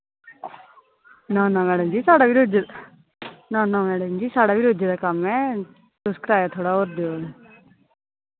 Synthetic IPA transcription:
nãːnãmɛːɽɐmd͡ʒisaːɽaʋiɾod̪ʱjɐd̪ | nãːnãːmɛːɽɐmd͡ʒisaːɽaʋiɾod̪ʱːɐd̪akamːẽ | suskɾaːjat̪ʰoːɽaoɾd̪jo

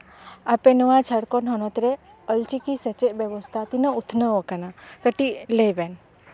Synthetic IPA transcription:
apenuʋat͡ʃʰəɽkɔnɦɔnɔt̪ɾe | əlt͡ʃikiset͡ʃeʔbjeʋɔst̪ʰat̪inəut̪ʰnəɔkanakəʈilejben

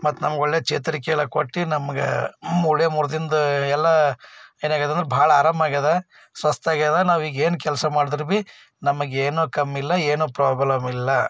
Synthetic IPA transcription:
mɐt̪ːnɐmɐɡo̞ɭːeːt͡ʃeːt̪ɐɾikɛɐɭɐkoʈːinɐmɐɡḛuɭjɐmuɾd̪ind̪ɐɛlːɐeːnaːɡɐt̪ɐnd̪ɾebʱaːɭɐaːɾaːmaːɡɐd̪ɐ | sʋɐst̪aːɡɐd̪ɐnaːʋiːɡe̞ːnukɛlsɐmaːɽid̪iɾbi | nɐmɐɡeːnuːkɐmːilːɐeːnoːpɾaːblɐmilːɐ

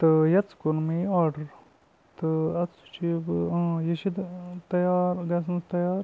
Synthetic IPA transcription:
t̪ɨjɐt͡skunmiaːɾɖɐɾ | t̪ɨɐt͡sːu̥t͡ʃʰibjɐʃid̪t̪ɐjaːɾɡɐs̬nst̪ɐjaːɾ

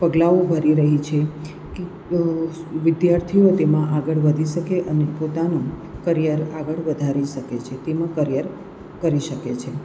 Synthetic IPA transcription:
pəɡlaʋobʱəɾiɾəɦit͡ʃʰe | ke | ʋɪd̪jaɾt̪ʰiot̪emãʔaɡəɭʋəd̪ʱiʃəkeʔənepot̪anũkəɾijəɾaɡəɭʋəd̪ʱaɾiʃəket͡ʃʰet̪emãkəɾjəɾ | kəɾiʃəket͡ʃʰe

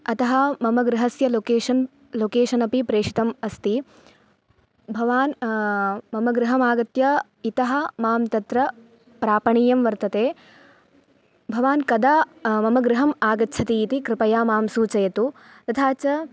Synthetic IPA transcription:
ɐt̪ɐɦɐmɐmɐɡɾɪɦɐsjɐlokeːʃɐn | loːkeːʃɐnɐpipɾeːʂi̥t̪ɐmɐst̪i | bʱɐʋaːn | mɐmɐɡɾɪɦɐmaːɡɐt̪jɐ | it̪ɐɦɐ̆maːmt̪ɐt̪ɾɐ | pɾaːpɐɳiːjɐmʋɐɾt̪ɐt̪eː | bʱɐʋaːnkɐd̪aːmɐmɐɡɾɪɦɐmaːɡɐtːt͡ʃʰɐt̪iːt̪ikɾɪpɐjaːmaːmsuːt͡ʃɐjɐt̪u | t̪ɐt̪ʰaːt͡ʃɐ

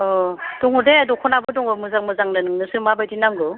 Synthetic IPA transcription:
ɔd̥ɔŋɯdedɔkʰɔnabɯdɔŋɯmɯzaŋmɯzaŋnɯnɯŋnɯsɯmabajdinaŋɡɯ

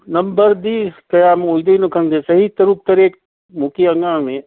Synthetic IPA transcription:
nɐmbəɾd̪iːkɐjaːmojd̪enokʰə̃nd̪esɐɦit̪ɐɾuːk̚t̪ɐɾeːk | mukiɐŋɡãːmẽ

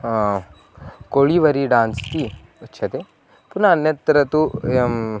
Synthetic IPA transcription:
koɭiʋɐɾiɖaːnst̪i | ɐtːt͡ʃʰɐt̪e | punɐːnjɐt̪ɾɐt̪u

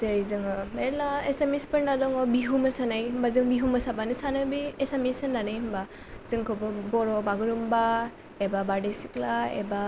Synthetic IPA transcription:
zeɾizɯŋɯelaesemispɯɾnadɔŋɔbiɦumasanajɦɯmbazɯŋbiɦumɯsabanisanɯbiesamisɯnːanɯjɦɯmba | z̥ɯŋkʰɔbɯbɔɾɔbaɡɯɾumba | ebabadisiklaḛba

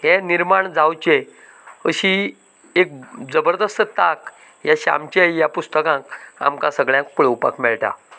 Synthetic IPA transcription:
hẽniɾmaɳd͡zawt͡ɕe | əɕi | ek̚d͡zəbəɾd̪əst̪ət̪ak | jaɕa̰mt͡ɕeijapust̪əkãka̰mkãsəɡɭjãkpuɭewpa̰kmɛɭʈa̰

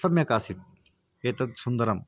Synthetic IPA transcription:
ɐmjɐkaːsit̪̚ | eːt̪ɐt̪sund̪ɐɾɐm

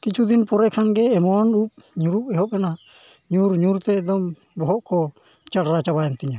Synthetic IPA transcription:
kit͡ʃʰud̪inpɔɾɛkʰanɡɛːmɔɔnup̚ɲuɾup̚ɛɦɔp̚kana | ɲuɾɲuɾt̪ɛːd̪ɔm | bɔɦɔʔkɔ | t͡ʃaɽɾat͡ʃabajɛnt̪iɲa

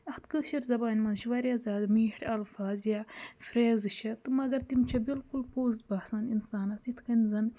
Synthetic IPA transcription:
ɐxt̪kɨkʃɐɾzɐbaːnʲmɐnzʃʋɐɾʲjazaːd̪miːhʈʰɐlfaːzjafɾeːzɨʃɐt̪ɨmɐɡɐɾt̪imt͡ʃʰɐbilkulpoːzbɐhsaːninsaːnɐsit̪ʰkɐnzɐn

